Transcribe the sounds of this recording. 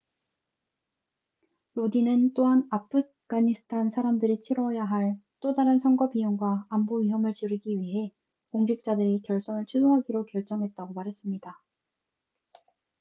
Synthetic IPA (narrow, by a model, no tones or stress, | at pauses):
ɾodinɯnt͈oɦanapʰɯ | ɡ͈aɲisʰɯ̥tʰansʰaɾamdɯɾit͡ɕʰiɾʌjaɦaɭ | t͈odaɾɯnsʰʌŋɡʌbijoŋɡwaːmboɥiɦʌmɯɭt͡ɕɯɾɯɡiɥiɦe̞ | koŋd͡ʑik̚t͡ɕ͈adɯɾikjʌɭs͈ʌnɯɭt͡ɕʰusʰoɦaɡiɾokjʌɭt͡ɕ͈ʌŋɦe̞t̚t͈aɡomaɾɦe̞s͈ɯmɲida